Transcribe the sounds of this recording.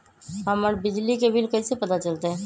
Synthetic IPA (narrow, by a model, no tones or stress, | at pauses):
ɦəməɾbɪd͡ʒlikebɪlkəisepɐt̪at͡ʃəlt̪eɦɛ̃ː